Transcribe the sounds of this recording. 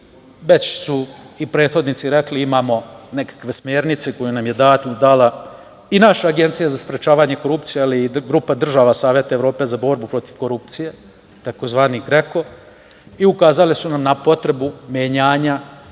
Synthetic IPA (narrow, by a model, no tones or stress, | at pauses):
ʋet͡ɕsu | ipɾe̞ːd̪xod̪nit̪siɾe̞kliimaːmo̞ne̞kḁkʋe̞smjeːɾnit̪seko̞junamjed̪aːt̪ɲud̪ala | inaʃaːɡe̞nt̪sijazaspɾe̞t͡ʃaːʋaɲe̞ko̞ɾupt̪sijealiɡɾuːpad̪r̩ʒaʋasaːʋjet̪aeʋɾo̞ːpe̞zabo̞ɾbupɾo̞t̪iʋko̞ɾup̚t̪sije̞ | t̪ako̞zʋaːniɡɾeko̞ | iukaːzalesunamnapo̞t̪ɾe̞bumjeɲaːɲa